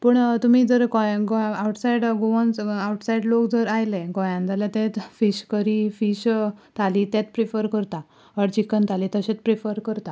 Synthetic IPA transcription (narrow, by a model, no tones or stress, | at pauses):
pəɳt̪um̤iːd͡zəɾkɔ̃jɡoawʈsajɽɡoʋənt͡sawʈsajiɽlokd͡zəɾajleɡɔ̃jãnd͡z̪aljat̪ɛ̃t̪fiɕkəɾifiɕt̪ʰalit̪ɛt̪pɾifəɾkəɾt̪a | əɽt͡ɕikənt̪ʰalit̪əɕẽt͡spɾifəɾkəɾt̪a